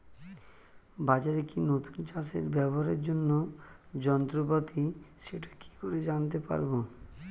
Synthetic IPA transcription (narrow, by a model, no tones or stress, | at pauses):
bad͡ʑaɾekinot̪unt͡ɕasḛɾbɛboɦaɾeɾd͡ʑonːod͡ʑɔnt̪ɾopat̪iʃeʈḁki̥koɾed͡ʑant̪epa̰ɾbo